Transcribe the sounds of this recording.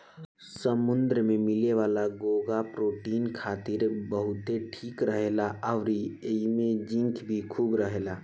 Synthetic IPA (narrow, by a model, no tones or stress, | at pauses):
səmʊ̃nd̪ɾəmẽmɪleʋaːlaɡoːɡapɾoːʈiːnkʰaːt̪ɪɾbəɦʊt̪eʈʰiːkɾəɦeːlaʔəʋɾiimẽd͡ʒɪ̃ŋkʰbʱikʰuːbɾəɦeːlaː